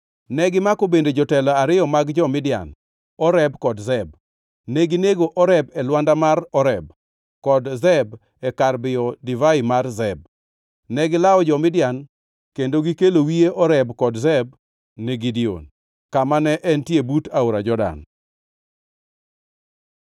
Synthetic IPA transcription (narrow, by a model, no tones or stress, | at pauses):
nɛɡɪmakobended͡ʒɔtɛlaaɾɪjɔmaɡd͡ʒɔmɪdɪja̰n | ɔɾɛbkɔdzɛb | neɡineɡoʔɔɾɛbɛlwandamarɔɾɛb̚ | kɔdzɛb | ɛkarbɪɔdɪvaɪmarzɛb̚ | nɛɡɪlaɔd͡ʒɔmɪdɪjan | kendoɡikelowieʔɔɾɛbkɔdzɛb̚ | neɡidio̰n | kamanɛʔɛntjebutaoɾad͡ʒɔda̰n